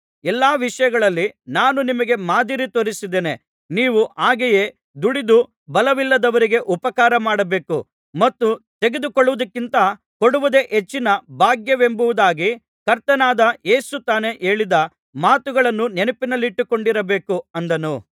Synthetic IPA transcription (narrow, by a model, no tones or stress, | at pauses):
ɛlːaːʋiʂɐjɐɡɐɭɐlːinaːnunimɐɡe̞maːd̪iɾit̪oɾisid̪eːne | niːʋuʔaːɡɛjeː | d̪uɽid̪u | bɐlɐʋilːɐd̪ɐʋɐɾiɡe̞ʔupɐkaːɾɐmaːɽɐbe̞ːku | mɐt̪ːut̪e̞ɡed̪ukoɭːuʋɐd̪ɐkːint̪ɐ | koɽuʋud̪e̞ʔɦet͡ʃːinɐbʱaːɡjɐʋe̞mbuʋud̪aːɡi | kɐɾt̪ɐnaːd̪ɐje̞ːsut̪aːne̞ʔe̞ːɭid̪ɐ | maːt̪uɡɐɭɐnːunenɐpinɐlːiʈːukoɳɖiɾɐbe̞ːkuɐnd̪ɐnu